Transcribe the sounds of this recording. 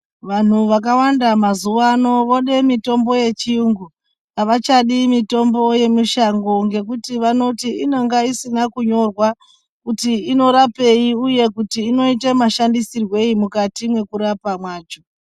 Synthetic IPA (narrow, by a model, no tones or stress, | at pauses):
ʋan̤uʋak̬awandamazuʋano̞ʋoɗe̞mito̞mbo̞je̞t͡ʃiuŋɡu | aʋat͡ʃaɗimito̞mbo̞je̞muʃaŋɡo̞ŋɡe̞kutiʋano̞tiino̞ŋɡaisinakuɲo̞rwa | kutiːno̞ɾape̞iuje̞kutiːno̞itemaʃandisirwe̞imukatimwe̞kuɾapamwaːt͡ʃo̞